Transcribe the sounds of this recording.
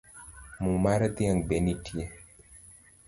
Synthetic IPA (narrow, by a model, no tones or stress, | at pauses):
mumaɾat̪iaŋbenitʰie